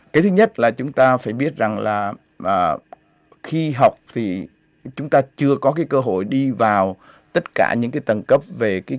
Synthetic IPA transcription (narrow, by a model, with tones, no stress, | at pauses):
kaː˨˦jt̪ʰɨ˨˦ɲə˦˥t̚laː˨˩t͡ɕʊ˨˦ŋ͡mt̪aː˧faː˧˩jɓi˦˥ət̚za˨˩ŋlaː˨˩ | ʔəː˨˩ | xi˧ɦa˨˩wk͡p̚t̪ʰi˨˩ | t͡ɕʊ˨˦ŋ͡mt̪aː˧t͡ɕɨ˧əkɔ˨˦kaː˨˦jkəː˧ɦo̰˧˩˨jɗi˧vaː˨˩w | t̪ə˦˥t̚ka̰ː˧˩ɲɨ̰˧˥ŋkaː˨˦t̪ə˨˩nkə˦˥p̚ve˨˩kaː˨˦